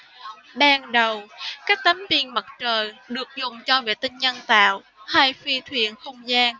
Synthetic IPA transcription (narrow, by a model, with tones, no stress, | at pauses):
ɓaː˧nɗə˨˩wkaː˦˥k̚t̪ə˨˦mvi˧˩ənmə˨˩t̚t͡ɕəː˨˩jɗɨ˨˩ək̚zʊ˨˩ŋ͡mt͡ɕɔ˧vḛ˧˨t̪ï˧ŋ̟ɲə˧nt̪a̰ː˧˨w | ha˧jfi˧t̪ʰwḭ˧˨ənxə˧wŋ͡mzaː˧n